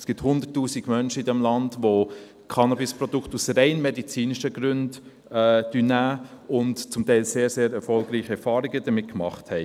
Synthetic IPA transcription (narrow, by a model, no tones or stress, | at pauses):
sɡ̥ɪthʊndətːuːsiɡ̥mœnʃəidɛmlɑndʋo | kʰɑnɑbɪspɾɔdukχtusɾɛɪnmɛdit͡siːniʃəɡɾʏnd | ɛd̥ynæːʊntt͡sʊmtɛɪlseːɾseːɾɛɾfɔlɡɾiːχəɛɾfɑːɾiɡəd̥əmɪt̚kmɑχthɛɪ